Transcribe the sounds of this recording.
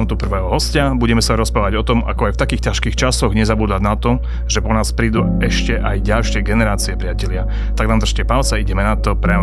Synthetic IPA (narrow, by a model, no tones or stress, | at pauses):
mt̪upr̩ʋɛːɦɔɦɔscabuɟɛmɛsaɾɔspɾaːʋaɟɔt̪ɔma̰kɔajft̪akiːxcaʃkiːxt͡ʃasɔɣɲɛzabuːd̪aɟnat̪ɔ | ʒɛpɔnaːspɾiːd̪u | ɛʃcɛʔajɟalʃɪɛɡɛnɛɾaːt͡siɛpɾɪacɛlɪa | t̪aɡnamd̪r̩ʃcɛpalt͡sɛiɟɛmɛnat̪ɔpɾa